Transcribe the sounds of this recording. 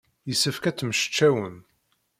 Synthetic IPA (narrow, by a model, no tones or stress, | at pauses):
jəsəfkæt͡sːməʃə̥t͡ʃːæwən